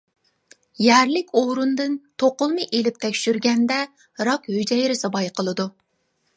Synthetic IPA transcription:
jæɾlɪkʲoɾund̪ɨnt̪ʰoqʊlˠmɨʔelɪp̚t̪ʰɛkʲʃyɾɡʲɛnd̪ɛ | ɾɑkhød͡ʒɛjɾɪsɑbɑjqəlˠɨd̪u

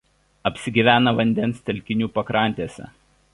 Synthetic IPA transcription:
ɐpʲsʲɪɡʲiːʋʲæːnɐʋɐnʲd̪ʲɛnˑst̪ʲɛlʲkʲɪnʲuːpɐkɾɑˑnʲt̪ʲiɛsʲɛ̰

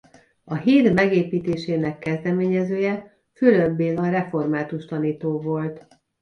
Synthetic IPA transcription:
ɒɦiːrmɛɡeːpiːt̪eːʃeːnɛkːɛzd̪ɛmeːɲɛzøːjɛ | fyløbːeːlɒrɛfo̞rmaːt̪uʃt̪ɒniːt̪oːvo̞lt̪

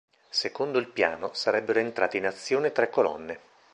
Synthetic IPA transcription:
sekond̪oilpja̰ːnosaɾɛbːeɾoent̪ɾaːt̪inat̪sːjoːnet̪ɾɛkːolɔ̰nːe

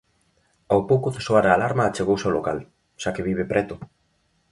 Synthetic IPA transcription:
awpowkoθesoaɾaːlaɾmaːt͡ʃeɣowsaolo̰ka̰l | ʃakeβiβ̞epɾʔɛt̪o

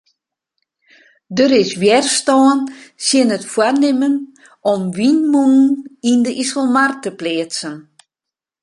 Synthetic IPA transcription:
døɾɪsʋjɛrstɔːnsjɪnətfwarnɪmən | ɔmʋinmuŋn̩indəʔisəlˠmartəpleəsən

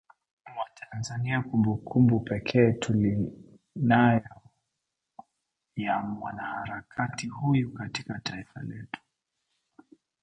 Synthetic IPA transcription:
watʰanzaniakumbukʰumbupɛkʰɛːtʰuli | najɔ | jamwanahaɾakʰatihujukatikataifa̰lɛtu̥

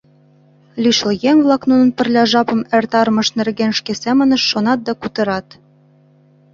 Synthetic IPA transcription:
lʲyʃljeŋβlˠɑknunə̆npə̆rlʲɑʒɑpɤ̆mĕrt̪ɑɾmɤ̆ʃnĕrɣenʃkesemə̆nə̆ʃːonɑt̪̚d̪ɑkut̪ɤ̆ɾɑt̪

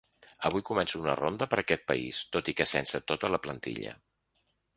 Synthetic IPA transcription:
əβujkumɛnsuunə̰rond̪əpəɾəkɛt̪̚pəist̪ot̪ikəsɛnsət̪ot̪ələplənt̪ḭʎə̰

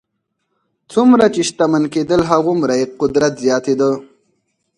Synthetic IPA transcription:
t͡sumɾat͡ʃeʃt̪amanked̪əlɦaɣumɾaeqʊd̪ɾat̪zjɑːt̪ed̪ə

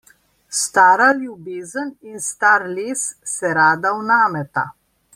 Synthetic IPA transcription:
st̪aːɾaljubeːzəninst̪aːɾleːsːɛɾaːd̪awnaːmɛt̪a̰

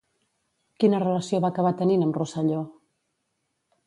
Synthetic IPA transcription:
kinərələsioβaːkəβ̞at̪əninəmrusəʎɔ

